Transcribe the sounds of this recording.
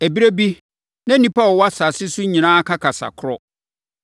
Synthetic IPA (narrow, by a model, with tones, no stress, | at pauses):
æ˨bi˦ɾe˦bi˦ | nã˦nĩ˦pʰa˦˨wa˦sa˨sɪ˦sʊ˦ɲĩ˨nãː˦kʰa˦kʰa˨sa̰˨kʰʊ˦ɾɔ˦